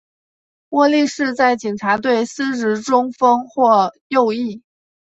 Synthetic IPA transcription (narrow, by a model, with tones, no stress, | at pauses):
wɔ˥˧li˥˧ʂɻ̩˥˧t͡sa˥˩ɪt͡ɕi˨˩ŋʈ͡ʂʰa˧˥t̪we˥˩ɪsɹ̩˥ɻɻ̩˧˥ʈ͡ʂʊ˥ŋfɤ˥ŋxwɔ˥˧jo˥˧ʊi˥˩